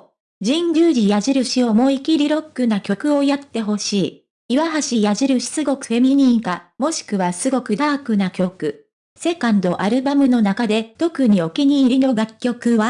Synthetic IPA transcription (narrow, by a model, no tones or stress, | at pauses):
d͡ʑĩɲɡʲɨːɾʲijaʑiɾɯ̟ɕio̞mo̞ikʲiɾʲiɾo̞kːɯ̟nakʲo̞kɯ̟o̞jat̪ːe̞ɦo̞ɕiː | iβaɦaɕijaʑiɾɯ̟ɕi̥sɨɡo̞kɯ̟̥fe̞mʲiɲ̟ĩŋkamo̞ɕi̥kɯ̟βasɨɡo̞kɯ̟d̪aːkɯ̟nakʲo̞kɯ̟ | se̞kãnd̪o̞ʔaɾɯ̟bamɯ̟no̞nakad̪e̞t̪o̞kɯ̟ɲ̟io̞kʲiɲ̟iːɾʲino̞ɡakʲːo̞kɯ̟βa